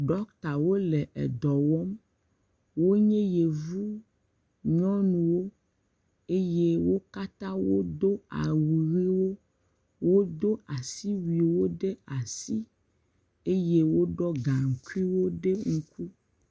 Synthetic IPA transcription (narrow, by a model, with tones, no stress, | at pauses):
ɖɔ˦kt̪a˨wo˦lɛ˨ʔɛ̰˨d̪ɔ˨wɔ˦m | wo˦ɲɛ̃˦je˨vu˦ | ɲɔ̃˦nũ˨wo˦ | e˦je˦wo˦ka˦t̪ã˦wo˦d̪o˦a̰˨wi˨ɣi˦wo˦ | wo˦d̪o˦a˨si˦wi˨wo˦ɖe˦a˨si˦ | e˦je˦wo˦ɖɔ˦ɡã˨ŋ̩˨ku˦i˦wo˦ɖe˦ŋũ˦ku˦